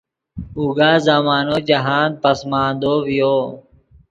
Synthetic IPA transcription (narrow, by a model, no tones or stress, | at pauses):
uːɡaːzamaːnoːd͡ʒɐɦaːn̚pəsmãːnd̪oːʋijoː